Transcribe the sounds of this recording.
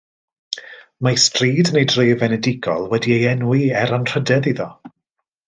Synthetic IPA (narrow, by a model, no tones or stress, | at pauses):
mastriːdnejdrejvɛnɛdɪɡɔ̰lˠwɛdiejɛnwiɛɾanr̥ədɛðiðɔ